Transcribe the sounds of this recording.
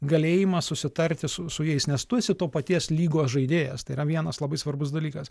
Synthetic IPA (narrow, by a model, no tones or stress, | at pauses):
ɡɐlʲeːjɪmɐsʊsʲɪt̪ɐɾʲt̪ʲɪsʊsʊjɛɪsnʲɛst̪ʊsʲɪt̪oːpɐt̪ʲiɛslʲiːɡoːʒɐɪd̪ʲeːjɛst̪ɐɪɾɐʋʲiɛnɐslˠɐbɐɪsʋɐrbʊsd̪ɐlʲiːkɐs